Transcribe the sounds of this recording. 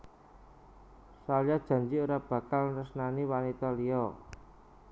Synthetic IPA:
saljad̥ʒ̥ä̤ɲd͡ʒiuɾab̥ä̤kalrəsnaniwanit̪aliɔ

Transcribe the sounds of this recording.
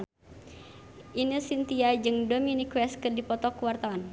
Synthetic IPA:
ʔinisint̪iad͡ʒɨŋdominikwɛskɨrdipɔt̪ɔkuwart̪awan

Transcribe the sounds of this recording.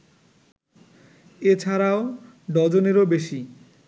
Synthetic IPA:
et͡ɕʰaɾao | ɖɔd͡ʑoneɾobeʃi

